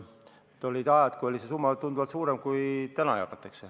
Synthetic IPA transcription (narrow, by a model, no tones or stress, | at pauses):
et̪olʲid̪ɑjɑt̪kuolisesumːɑt̪und̪uʋɑt̪suːɾemkuit̪ænɑ̰jɑ̰kɑt̪ːˑekse